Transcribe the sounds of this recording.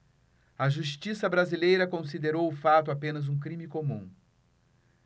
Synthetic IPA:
ɐʒuʃt͡ʃisɐbɾazilejɾɐkõsid̪eɾowʊfat̪ʊapẽnɐzũkɾĩmikomũ

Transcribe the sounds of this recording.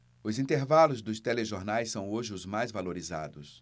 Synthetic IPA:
ʊzĩnt̪eɾvalʊzd̪ʊst̪eleʒoɾnajsːɐ̃w̃oʒɪʊzmajzvaloɾiza̰d̪ʊs

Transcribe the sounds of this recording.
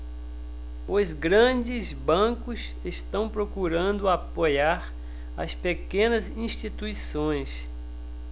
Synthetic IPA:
ʊzɡɾɐ̃d͡ʒɪzbɐ̃kʊs | est̪ɐ̃w̃pɾokuɾɐ̃nd̪ʊapojaɾ | ɐ̰spekẽnɐzĩʃt͡ʃit̪uisõj̃s

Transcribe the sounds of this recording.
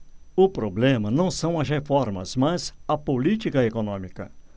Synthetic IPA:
ʊpɾoblẽmɐnɐ̃w̃sɐ̃w̃ɐzhefɔɾmɐ̰zmɐzɐpolit͡ʃikɐekonõmikɐ̰

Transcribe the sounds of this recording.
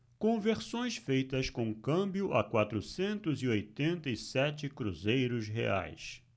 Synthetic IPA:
kõveɾsõj̃sfejt̪ɐskõkɐ̃mbjʊʔɐkwat̪ɾʊsẽnt̪ʊziojt̪ẽnt̪ɐisɛt͡ʃɪkɾuzejɾʊsɦḛa̰js

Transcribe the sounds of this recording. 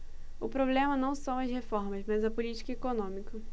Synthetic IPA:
ʊpɾoblẽmɐnɐ̃w̃sɐ̃w̃ɐzhefɔɾmɐzmɐzɐpʊlit͡ʃi̥kɐekonõmikɐ

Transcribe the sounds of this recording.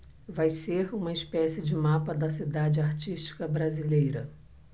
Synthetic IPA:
vajseɾũmɐɪspɛsɪd͡ʒɪmapɐd̪ɐsid̪ad͡ʒɪaɾt͡ʃiʃt͡ʃi̥kɐbɾazilejɾɐ

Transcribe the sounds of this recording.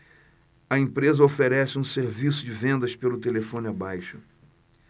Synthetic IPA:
ɐẽpɾezɐofeɾɛsɪũseɾvisʊd͡ʒɪvẽnd̪ɐspelʊt̪elefõnʊabajʃʊ̥

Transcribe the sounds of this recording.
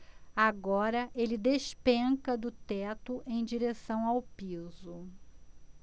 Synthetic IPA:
aɡɔɾɐʔelɪd̪eʃpẽŋkɐd̪ʊt̪ɛt̪ʊʔẽj̃d͡ʒiɾesɐ̃w̃awpizʊ

